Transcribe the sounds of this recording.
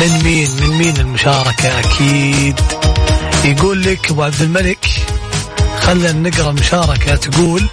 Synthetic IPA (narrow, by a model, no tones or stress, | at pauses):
mɪnmiːnmɪnmiːnɪlmʊʃɑːɾˤɑkaʔakʰiːd̪ | jɡuːlːɪkbaʕb̪zɪlmalɪk | xalːanːɪɡɾˤɑmʊʃɑːɾˤɑkat̪ɡuːl